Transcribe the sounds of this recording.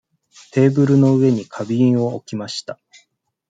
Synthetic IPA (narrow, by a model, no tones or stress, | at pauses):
t̪e̞ːbɯ̟ɾɯ̟no̞ɯ̟e̞ɲ̟ikʰabʲiĩɰ̃o̞okʲimaɕi̥t̪a